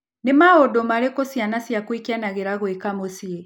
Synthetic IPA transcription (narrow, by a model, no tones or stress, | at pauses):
nemaodomaɾekosjanasjakwikjanaɣeɾaɣwekamosie